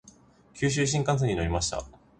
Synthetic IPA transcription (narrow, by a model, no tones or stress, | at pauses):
kʲʰɨːɕ̬ɨːɕ̬ĩŋkãs̬e̞ɲ̟ino̞ɾʲimaɕi̥t̪a̰